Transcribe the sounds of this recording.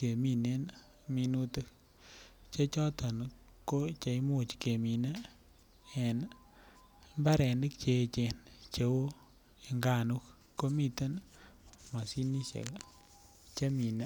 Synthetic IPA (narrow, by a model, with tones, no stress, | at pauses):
ke˨mi˦ne˦n | mi˧nu˦tɨ˦k | t͡ʃe˦t͡ʃɔ˦tʰɔ˨n | ko˦t͡ʃa˨i˦mo˨t͡ʃke˨mi˨na˦ | ɛ˨n | mba˦ɾɛ˨ndi˦kt͡ʃe˨t͡ʃe˨nt͡ʃe˨wo˦ | e˨ŋɡa˦˨nu˦kː | o˦mi˦tə˦n | ma˨si˦ni˦ʃḛ˨l | t͡ʃe˦mi˨na˦